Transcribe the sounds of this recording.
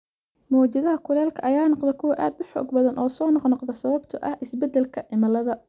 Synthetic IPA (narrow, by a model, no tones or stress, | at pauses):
mɔːt͡ʃɐðɐɦɐkʰʊlɛːlkʰɐʔɐjaːnɑqd̪ɛkʰʊwɐʔaːd̪ʊħɔ̰ːɡbɐðɐnʔɔːsɔːnɔqnɔqd̪ɐsɐβɐbt̪ʰɐʔɐhʔɪsbɛd̪ɛlkʰɐʕɪmɐlɐðɐ